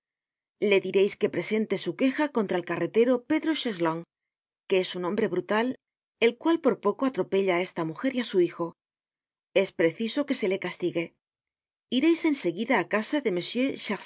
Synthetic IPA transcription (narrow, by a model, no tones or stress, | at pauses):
le̞ðiɾe̞jske̞pɾe̞se̞nt̪e̞suke̞xako̞nt̪ɾaelkare̞t̪e̞ɾo̞pe̞ðɾo̞ʃesloŋ | ke̞esunõ̞mbɾe̞βɾut̪al | e̞lkwalpo̞ɾpo̞ko̞at̪ɾo̞pe̞ʎae̞st̪amuxe̞ɾiasuixo̞ | e̞spɾe̞θiso̞ke̞se̞le̞kast̪iɣe̞ | iɾe̞jse̞nse̞ɣiðaːkasaðe̞me̞sjeʃa